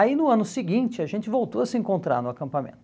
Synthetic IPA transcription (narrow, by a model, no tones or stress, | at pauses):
ainʊɐ̃nʊsɪɡĩnt͡ʃɪaʒẽnt͡ʃɪvowt̪oɐsɪẽŋkõnt̪ɾa̰ɾnʊakɐ̃mpamḛ̃nt̪